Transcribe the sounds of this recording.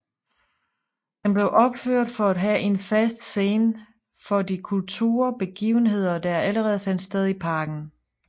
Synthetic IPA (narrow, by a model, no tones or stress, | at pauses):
d̥enb̥le̝ʊʔɒ̽b̥føɐ̰d̥fɒ̽æd̥ɦæʔe̝nfæsd̥se̝ːn | fɒ̽dikʰult͡sʰṵːɐb̥e̝ɡ̥ḭːʊn̩ɦe̝ð̞̰ˠɐd̥ɑæləʁɛːð̞̩ˠfæn̰d̥sd̥eð̞ˠipʰɑ̈ːɡ̥n̩